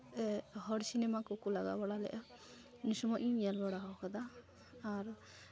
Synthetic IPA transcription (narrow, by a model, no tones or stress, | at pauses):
ɛɦɔɽsinɛmakɔkulaɡa̰baɽalɛ̰ʔa | nisumɔʔijalbaɽaɦɔkad̪aː | ɾ